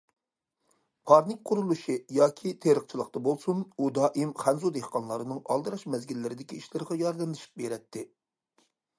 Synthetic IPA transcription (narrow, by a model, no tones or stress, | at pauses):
pʰɑɾnɪk̚ʲqʰʊɾulˠuʃijɑːkʲʰit̪ʰeɾəqt͡ʃʰilˠəqt̪ɑbolˠsunud̪ɑːʔimχɛnzud̪ehqɑnlˠɑɾɨnɨŋɑ̰lˠd̪ɨɾɑʃmɛzɡʲilːɪɾɪd̪ɪkʲiiʃlɨɾɨʁɑjɑɾd̪ɛnd̪ɨʃi̥p̚beɾɛt̪ʰːɪ